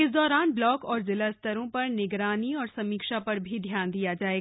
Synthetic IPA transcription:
ɪsd̪ɔːɾaːnblɔːkɔːɾzɪlast̪ɐɾõpɐɾnɪɡɾaːniɔːɾsɐmiːkʃapɐɾbʱid̪ʱjaːnd̪ijad͡ʒaːeː

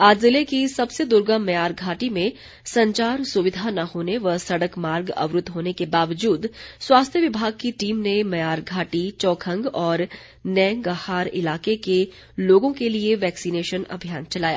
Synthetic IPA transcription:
aːd͡ʒzɪlekisɐbsed̪ʊɾɡəmːɐjaːɾɡʱaːʈimẽ | sɐ̃ɲt͡ʃaːɾsʊʋɪd̪ʱanɐhoːneʋɐsɐɽəkmaːɾɡɐ̰ʋɾʊt̪ɦoːnekebaːʋəd͡ʒuːd̪swaːst̪ʰjəʋɪbʱaːɡ̚kiʈiːmnemɐjaːɾɡʱaːʈit͡ʃɔːkʰə̃ŋɡɔːɾ | nɛ̃ːŋɡəhaːɾɪ̰laːkeke | loːɡõkelieʋɛːksineːʃənɐ̰bʱijaːnt͡ʃɐlaːja̰ː

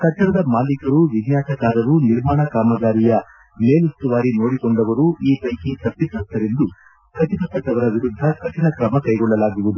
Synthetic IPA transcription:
kɐt͡ʃːɐɾɐd̪ɐmaːlikɐɾuʋinjaːsɐkaːɾɐɾuniɾmaːɳɐkaːmɐɡaːɾijɐ | me̞ːlust̪uʋaːɾino̞ːɽikoɳɖɐʋɐɾuiːpɐjkit̪ɐpːisɐlt̪ːɐɾend̪u | kɐt̪ipɐkːɐʈːɐʋɐɾɐʋiɾud̪ʱːɐkɐt̪inɐkɾɐmɐkɐjɡɔɭːɐlaːɡiʋud̪u

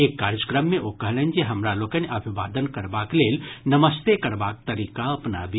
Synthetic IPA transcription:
eːkːaːɾjəkɾəmːẽʔokɐɦlənd͡ʒeɦɐmɾaloːkənʔɐbʱiʋa̰ːd̪ənkɐɾbaːkleːlnəməst̪ekɐɾbaːk̚t̪ɐɾiːkaɐpna̰bʱi

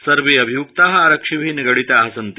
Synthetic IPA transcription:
sɐɾʋeːɐbʱijukt̪aɦɐaɾəkʂiʋʱiːniɡɐɽit̪aɦɐsɐnt̪

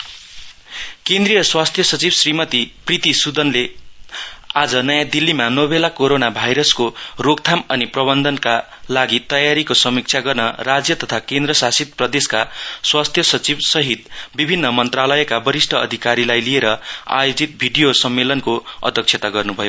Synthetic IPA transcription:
kẽnd̪rijʌswast̪ʰjʌsʌt͡sibsrimʌt̪iprit̪isud̪ʌnle | ad͡zʌnʌjãd̪ilːimanʌbʱelakoɾonabʱajɾʌskoroɡt̪ʰamʌniprʌbʌnd̪ʱʌnka | laɡit̪ʌjaɾikosʌmik̚t͡sʰaɡʌrnʌrad͡zjʌt̪ʌt̪ʰakend̪ɾʌsasit̪̚prʌd̪eskaswast̪ʰjʌsʌt͡sibsʌɦit̪̚bibʱinːʌmʌnt̪ralʌjʌkabʌɾisʈʰʌʌ̰d̪ʱikaɾilajlijeɾʌa̰jod͡zit̪̚bʱiɖijosʌmːelʌnkoʌ̰d̪ʱʌkt͡sʰet̪aɡʌrnubʱʌjo

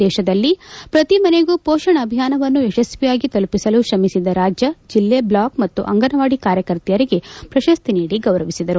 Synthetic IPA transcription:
d̪ɛːʃɐd̪ɐlːipɾɐt̪imɐne̞ɡuːpoːʃɐɳɐːbʱijaːnɐʋɐnːuɛʃɐsʋijaːɡit̪olpisɐluʃɐmisid̪ɐɾaːd͡ʒjɐd͡ʒilːeblaːkmɐt̪ːuʔɐ̰ŋɡɐnɐʋaːɽikaːɾjɐkɐɾt̪ijɐɾiɡe̞pɾɐʃɐst̪iniːɽiɡɐʋɾɐʋisid̪ɐɾu

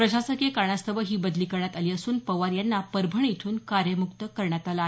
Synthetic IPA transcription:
pɾəɕasəkekaɳast̪ʰəʋəɦiːbəd̪liːkəɾɳjat̪aliːəsuːnpəʋaɾjanːapəɾbʱəɳjit̪ʰuːnkaɾjəmuk̚t̪əkəɾɳjat̪alae

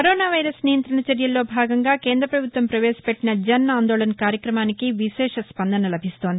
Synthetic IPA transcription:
kɐɾoːnaːʋɐjɾɐsnijɐnt̪ɾɐnɐt͡ʃɐɾjɐlːo̞ːbʱaːɡɐŋɡaːke̞ːnd̪ɾɐpɾɐbʱut̪ʋɐmpɾɐʋɛːʃɐ̥peʈːinɐd͡ʒɐnaːnd̪oːlɐnɐkaːɾjɐkɾɐmaːnikiʋiʃɛːʂɐspɐnd̪ʱɐnɐlɐbʱist̪oːnd̪i

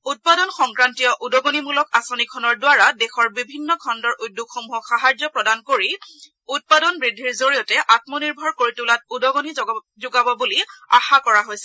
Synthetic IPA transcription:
ut̚padɔnxɔŋkɹantijɔʔudɔɡonimulɔkasonikʰːɔnɔɹdwaɹadɛxɔɹbibʱinːɔkʰɔndɔɹʔujdːukxɔmuɦɔxaɦaɹd͡ʒɔpɹɔdankoɹi | ut̚padɔnbɹidʱːiɹzoɹijɔtɛʔat̚mɔniɹbʱɔɹkoɹitulat̚udɔɡoni | zʊɡabɔbuliaxakɔɹaɦojsɛ

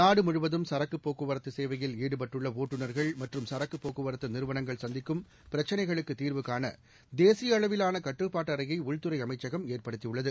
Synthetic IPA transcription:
naːɽɯmʊɻʊʋɐðɯmsɐɾɐkːɯpːoːkɯʋɐɾɐt̪ːɯseːʋɐjɪliːɽɯpɐʈːɯɭːɐoːʈːɯnɐɾɣɐɭmɐʈrɯmsɐɾɐkːɯpːoːkːɯʋɐɾɐt̪ːɐnɪɾɯʋɐnɐŋɡɐɭsɐnd̪ɪkːɯm | pɪɾɐt͡ʃːɐnɐɪɣɐɭɯkːɯt̪iːɾʋɯkːaːnɐ̰ | d̪eːsɪjɐːɭɐʋɪlaːnɐkɐʈːrɯpːaːʈːɐɾɐjɐɪʊɻt̪ɯɾɐɪɐmɐɪt͡ʃːɐɣɐmeːrpɐɽɯt̪ːijɯɭːɐðɯ

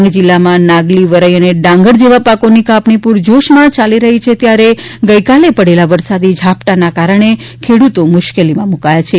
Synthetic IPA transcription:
ŋɡd͡ʒilːamãnãɡliʋəɾəjəneɖãŋɡəɽd͡ʒeʋapakonikapnipuɾd͡ʒoʃmãt͡ʃaliɾəɦit͡ʃʰet̪jaɾeɡəikalepəɽelaʋəɾsad̪id͡ʒʱapʈanakaɾəɳ̃e | kʰeɽut̪omʊʃkelimãmukajat͡ʃʰe

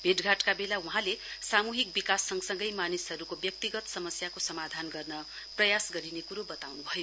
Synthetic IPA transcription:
bʱeʈɡʱaʈkabelauɦãlesamuɦik̚bikasːʌŋsʌŋɡʌjmanisɦʌɾukobjʌk̚t̪iɡʌt̪sʌmʌsjakosʌmad̪ʱanɡʌrnʌ | prʌjasɡʌɾinekuɾobʌt̪awnubʱʌjo

